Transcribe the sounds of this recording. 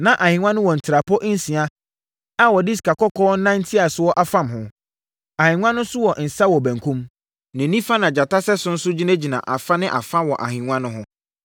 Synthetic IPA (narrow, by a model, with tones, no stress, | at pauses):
nã˨ʔa˨hĩ˨ŋʷã˦nʊ̃˦wɔ˨n̩˨tʰɪ˨ɾa˨pʰɔ˦ʔn̩˦sĩ˨a˦ | a˦wɔ˨dɪ˦ska˨kɔ˦kʰɔː˦nã˦n˦tʰi˦a˨swɔ˦ʔa˨fã˦˨mhʊ̃˨ | a˨hɪ̃˨ŋʷã˦nʊ̃˦sʊ˦wɔ˨n̩˨sa˦wɔ˨bæ̃˨ŋkʰũ˦m | nɪ̃˨nĩ˦fa˦nã˨d͡ʑa˨ta˦sɛ˦sʊ̃˦n̩˦sʊ˦d͡ʑi˦næ̃˦d͡ʑi˨nã̰˨ʔa˨fa˦nɪ̃˦ʔa̰˨fã˦wɔ˨ʔa˨hĩ˨ŋã˦nʊ̃˦ɦʊ̃˦